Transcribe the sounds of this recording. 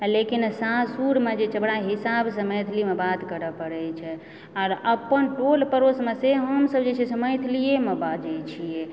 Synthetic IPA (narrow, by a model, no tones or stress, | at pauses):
lekinsãsuɾmed͡ʒet͡ʃəbɽaɦisabsə̃məjt̪ʰlimebat̪kəɾəpəɽɛt͡ʃʰɛ | aɾəpːənʈolpəɾosmeseɦəmsəbd͡ʒet͡ʃʰɛseməjt̪ʰlijemebad͡ʒɛt͡ʃʰijɛ